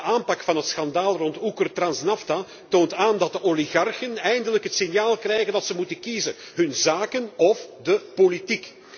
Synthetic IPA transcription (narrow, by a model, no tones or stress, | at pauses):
ʔaːmpɑkfɑnɦətsxɑndaːlˠrɔntukərtrɑnsnɑfta | toːntaːndɑt̚dəʔoliɣɑrxənɛjndələkɦətsɪnjaːlˠkrɛjɣəndɑtsəmutənkizə̰n | ɦɵnzaːkənɔfdəpolitik